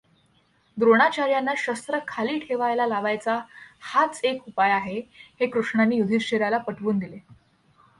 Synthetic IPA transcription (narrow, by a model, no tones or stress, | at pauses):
d̪ɾoɽ̃at͡ɕaɾjanːaɕəst̪ɾəkʰaliːʈʰeʋajlalaʋajt͡sahat͡sekupajaɦehekɾuʂɳanːiːjud̪ʱit͡ɕeɾjalapəʈʰʋuːnd̪ile